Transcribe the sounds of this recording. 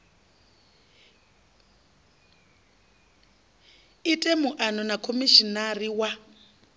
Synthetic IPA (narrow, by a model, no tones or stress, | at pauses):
itʼɛmuʔanɔnakʰomiʃinariwa